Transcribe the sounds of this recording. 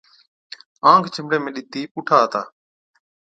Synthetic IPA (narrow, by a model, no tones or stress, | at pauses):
ãːŋkʰt͡ʃəmɽeːmẽːɗɪt̪iːpuːʈʰaːɦt̪a̰ː